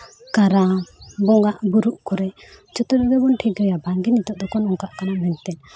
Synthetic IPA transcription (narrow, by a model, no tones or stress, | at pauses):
kaɾabɔŋɡaʔbuɾuʔkɔɾɛd͡ʒɔt̪ɔɾbɛbɔnʈʰiɡɾɛjabaŋɡinit̪ɔʔd̪ɔkɔnɔŋkaʔkanamɛnt̪ɛn